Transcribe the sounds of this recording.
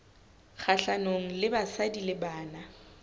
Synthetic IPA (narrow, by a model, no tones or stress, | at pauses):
k͡xʰaɬanoŋ̩lɪbasadilɪbaːna